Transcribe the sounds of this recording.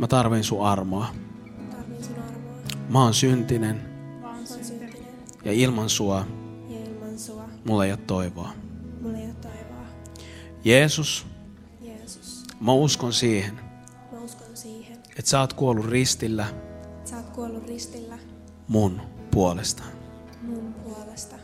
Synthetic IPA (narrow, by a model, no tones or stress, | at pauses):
mæt̪ɑrʋinsuɑrmoɑ | mɑonsynt̪inen | jɑ̰ilmɑnsuɑ | mulːejɑt̪ːoiʋoɑ | jeːsus | mæuskonsiːhen | et̪sɑːt̪kuolːurrist̪ilːæst̪kuolːurist̪ilː | munpuolest̪ɑ̥ | pulst̪ɑ